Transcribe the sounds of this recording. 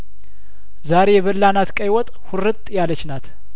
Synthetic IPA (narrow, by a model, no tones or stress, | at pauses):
zaɾejɛβəlːanat̪kʼəjwɔt̪ʼhʊrɨt̪ʼjalət͡ʃːnat̪